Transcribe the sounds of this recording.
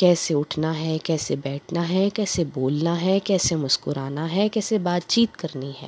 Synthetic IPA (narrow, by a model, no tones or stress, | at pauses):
kɛːseʊʈʰnaɦɛkɛːsebɛːʈʰnaɦɛkɛːseboːlnaɦɛkɛːsemʊskʊɾaːnaɦɛkɛːsebaːt̪t͡ʃiːt̪kɐɾniɦɛ̰ː